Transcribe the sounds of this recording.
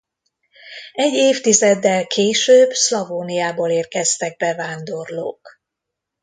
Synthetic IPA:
ɛɟːeːft̪izɛd̪ːɛlkʰeːʃøːbslɒvoːnijaːboːleːrkɛst̪ɛɡ̚bɛvaːnd̪o̞rlo̰ːk

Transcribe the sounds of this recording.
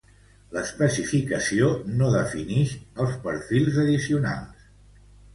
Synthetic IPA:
ləspəsifikəsionoðəfiniʃəlˠspəɾfilˠzəðisiuna̰lˠs

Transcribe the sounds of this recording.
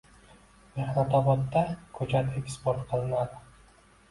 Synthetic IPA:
mehnat̪ʰɒbɒt̪ːakʰɵt͡ʃat̪ʰekʲspoɾt̪qʰɨlˠɪnad̪ɪ

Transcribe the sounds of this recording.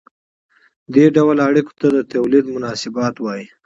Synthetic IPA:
d̪eɖawlaɽiko̥t̪ad̪ət̪awlid̪mʊnɑsɪbɑt̪wɑji

